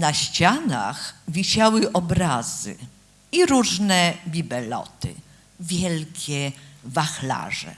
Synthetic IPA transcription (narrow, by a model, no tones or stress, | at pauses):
naɕt͡ɕana̰xvʲiɕawɘʔɔbɾaz̥ɘ̰ | iɾuʐnɛbʲibɛlɔ̰t̪ɘ̰ | vʲjɛlkʲɛvaxla̰ʐɛ̰